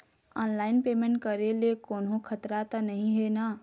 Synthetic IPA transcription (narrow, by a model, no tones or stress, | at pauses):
ɔnlaɪnpemẽɳʈ̚kəɾelekoːnɦõkʰət̪ɾat̪ənəɦĩɦena